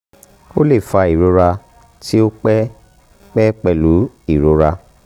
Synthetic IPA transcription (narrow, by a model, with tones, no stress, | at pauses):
o˦le˦˨fa˧i˨ɾo˨˧ɾa˧ | ti˦o˦k͡pɛ˦ | k͡pɛ˦k͡pɛ˧lu˨˦ | i˦˨ɾo˧˦ɾa˧